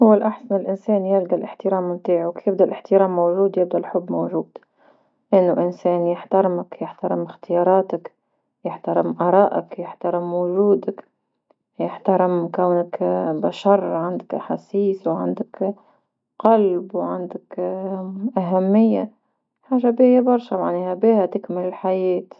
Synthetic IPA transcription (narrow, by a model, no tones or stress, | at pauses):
hʊwːalʔaħsanɪlʔɪnseːnjɪlɡalʔɪħt̪ɪɾɑːmɪmt̪iːʕʊkjɪb̚d̪alʔɪħt̪ɪɾaːmːowʒuːd̪jɪb̚d̪alħʊbːmowʒuːd̪̥ | ʔɪnːʊʔɪnseːnjɪħt̪ɑɾɪmakjɪħt̪ɑɾˤɪmɪxt̪ɪjɑːɾˤɑːt̪ak | jɪħt̪aɾˤɪmʔɑɾˤɑːʔa̰kjɪħt̪ɑɾˤɪmwʊʒuːd̪ak | jɪħt̪aɾˤɪmkawnakbaʃɑɾˤʕand̪akʔaħasiːswʕa̰nd̪ak | qalbwʕand̪ak | ʔaɦamːɪjːa̰ | ħaːʒabihɪjːabɑɾˤʃamaʕniːhabiːhat̪ɪkmɪlɪlħajeːt̪